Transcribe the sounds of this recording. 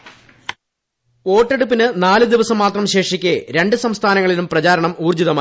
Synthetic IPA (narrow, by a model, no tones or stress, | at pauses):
o̞ːʈːeɽupːinɨnaːlɨd̪iʋɐsɐmːaːt̪rɐmɕe̞ːʂikʲːeɾe̞ɳɖɨsɐmst̪ʰaːnɐŋːɐɭilumprɐt͡ɕaːɾɐɳɐmuːrd͡ʑiðɐmaː